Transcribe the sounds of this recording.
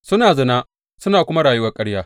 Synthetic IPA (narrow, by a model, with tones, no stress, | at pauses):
sʊ˦naː˨zɐ˦naː˦ | sʊ˦naː˨kʷʊ˦ma˦ɽaː˨jʊ˦wɐ˦kʼɐ˦ɽjaː˦